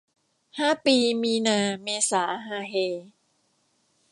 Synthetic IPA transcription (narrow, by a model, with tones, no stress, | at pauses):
haː˥˩piː˧miː˧naː˧meː˧saː˩˦ɦaː˧ɦeː˧